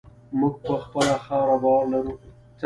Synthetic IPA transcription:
mʊɡ̚pəxpəlaxɑɾabɑɾlaɾu | t̪

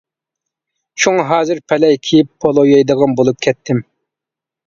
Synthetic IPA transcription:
ʃʰoŋɑɦɑːzɨɾpʰɛlɛjkʲʰijipʰːolˠojɑjd̪əʁɑnbolˠup̚kʲʰɛt̪ʰːɪm

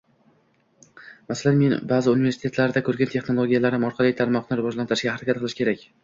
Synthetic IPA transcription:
masalanme̞nbazɪunive̞ɾsɪt̪ʰe̞t̪laɾd̪akʰɵɾɡʲant̪ʰe̞χno̞lˠo̞ɡʲijalaɾɪmɒɾqʰɑlˠijt̪ʰaɾmɒqnɪɾʊvɒd͡ʒlant̪ɪɾɪʃɡʲahaɾakʲat̪̚qɨlɪʃkʲe̞ɾakʲ

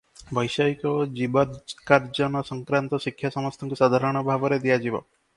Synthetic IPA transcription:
bɔjsajkɔd͡ʒibakaɾd͡ʒɔnɔsɔŋkɾant̪ɔsikʰjasɔmɔst̪ʰɔŋkusad̪ʱaɾɔɽ̃ɔbʱabɔɾed̪ijad͡ʒibɔ̰

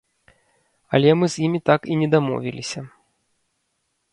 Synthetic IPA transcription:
ɐ̰lʲɛmɨzʲjimʲit̪akinʲɛd̪amɔ̰vʲḭlʲisʲɐ

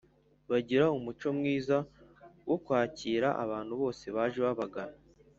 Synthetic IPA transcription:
βaɟiɾaumut͡ʃo̞mŋiːzawʔo̞kwaːciːɾaʔa̰βaːn̥huβo̞ːse̞βaːʒeβaβaɡaɾa

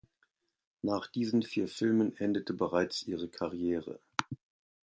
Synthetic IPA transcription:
naːχd̥iːzn̩fiːɐfɪlmənʔɛndətʰəbəʁaɪt͡sʔiːʁ̞əkʰaʁjɛːʁə̰

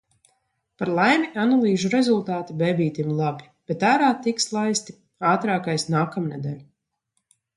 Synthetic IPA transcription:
paɾlˠajmianalˠiːʒuɾɛzulˠt̪aːt̪ibɛbiːt̪imlˠabi | b̥ɛt̪æːɾaːt̪ikslˠajst̪i̥ | aːt̪ɾaːkajsnaːkamnɛd̪ɛ̰ːlʲu

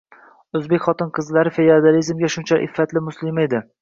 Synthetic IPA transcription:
ɵzbekʲχɒt̪ɪnqʰɨzlaɾɪfejad̪alizmɡʲaʃʊnt͡ʃʰaʔɪ̰fːat̪lɪmʊslɪme̞d̪ɪ

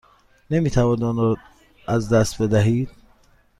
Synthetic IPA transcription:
nemiːt̪ʰævɒd̪ɔnɔ | æzd̪æst̪̚be̞d̪æɦiːd̪̥̚

